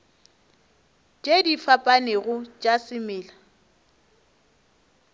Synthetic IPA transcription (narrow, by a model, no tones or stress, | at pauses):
t͡ʃʼedifapʼanɪɣʊt͡ʃʼasɪmɪːla